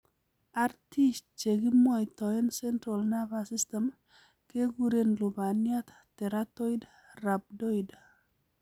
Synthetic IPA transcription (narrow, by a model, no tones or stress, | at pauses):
aɾtist̚t͡ʃeɡimwajt̪ɔɛnsɛntɾalnavasistem | keɡuɾenlubanjat̪ | tɛɾatoid | rab̚doid